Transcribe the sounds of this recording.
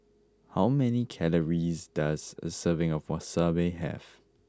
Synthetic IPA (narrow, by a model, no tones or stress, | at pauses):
hawmɛnikʰɛləɹizdazə̰səvɪ̃ŋɔvwɔtsəveɪɦɛ̰v̥